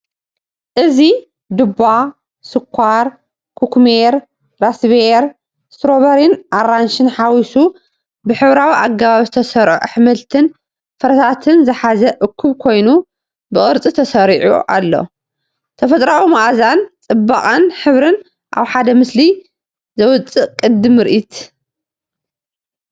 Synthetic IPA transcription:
ʔɨzi | d̪ɨba | sɨkʷʰːaɾ | kʰukmeɾ | ɾasβeɾ | st̪ɾoβɐɾinʔaranʃɨnħawisu | bɨħɨβɾawiʔaɡaβaβzɨt̪ʰɐsɐɾʔuʕuħmɐlt̪ʰɨn | fɐɾɐsʰat̪ʰɨnzɨħazɐʔɨkʰːuβkʰo̞jnu | bɨχʼɨɾt͡sʼit̪ʰɐsɐɾiʕṵʔa̰lːo̰ | t̪ʰɐfɐt̪ʼɾawimaʔzant͡sʼɨbːaχʼanħɨβɾɨn | ʔa̰βħad̪ɐmɨsli | zɐwʊt͡sʼɨʔkʼɨd̪ːɨmɨɾʔit̪

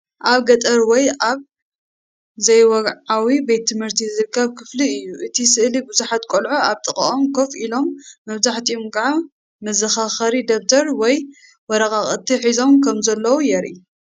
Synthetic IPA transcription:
ʔaβɡɐt̪ʼɐɾwɔjaβ | zɐjwɔɡʕawibet̪ʰːɨmhɨɾt̪ʰiɨzɨɾkʰːɐβkʰɨfliɨjːuʔɨt̪ʰisɨʔlibɨzuħat̪kʼolʕoaβt̪ʼɨχʼɐ̰ʔomkʰo̞filo̞mːɐβzaħt̪ʰiomɡʕa | mɐzɐxaxɐɾid̪ok̚t̪ʰɐɾwɔj | wɔɾɐkʼaχʼɐt̪ʰːiħizo̞mkʰɐmzɐlːɐwujɛɾʔḭ

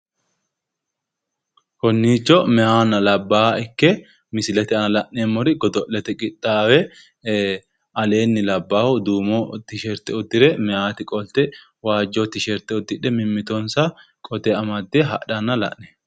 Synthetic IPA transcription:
kɔnːiːt͡ʃːɔmɛʔaːnɐlɐbːaːɪkːɛ | mɪsɪlɛt̪ɪɐnɐlɐʔneːmːɔɾɪɡɔd̪ɔʔlɛt̪ɛkʼɪt̪ːaːwɛ | ɐle̞ːnːɪlɐbːaːhʊd̪uːmɔt̪ɪʃɛɾt̪ɛʊd̪ːɪɾɛmɛʔaːt̪ɪkʼɔlt̪ɛ | waːd͡ʒːɔt̪ːɪʃɛɾt̪ːɛʊd̪ːɪᶑɛmɪmːɪt̪ɔnsɐ | kʼɔd̪ɛɐmɐd̪ːɛɦɐ̰ɐnːɐlɐ̰ʔnɛ̥

